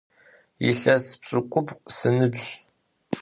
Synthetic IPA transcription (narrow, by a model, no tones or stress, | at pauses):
jḭɬɐspɕʼɨkʷʼʊpqsɨnɨbʑ